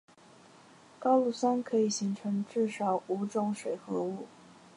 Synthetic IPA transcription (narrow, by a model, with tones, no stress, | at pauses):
kɑ˥ʊlu˥˩sa˥nkʰɤ˧˥i˨˩ɕi˧˥ŋʈ͡ʂʰɤ˧˥ŋʈ͡ʂɻ̩˥˩ʂɑ˨˩ʊu˧˥ʈ͡ʂʊ˥˧ŋʂwe˨˩ɪxɤ˧˥u˥˩